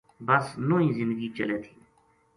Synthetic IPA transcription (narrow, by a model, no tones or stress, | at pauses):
bəsnoːĩːzɪ̃nd̪əɡiːt͡ʃəleːt̪ʰĩː